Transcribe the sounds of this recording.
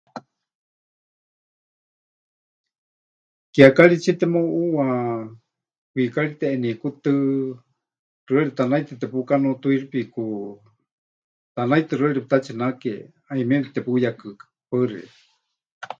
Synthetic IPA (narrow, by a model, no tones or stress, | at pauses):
kiakaɺit͡ʃʰit̪ɛmoʔuwa | kwikaɺit̪ɛʔːnikut̪ɨ | r̥ɨeɺit̪anajt̪ɨt̪ɛpukanot̪uiripiku | t̪anajt̪ɨrɨeɺiput̪at͡ʃʰinake | aimɛ̃nt̪ɛpujakɨ̥parḭ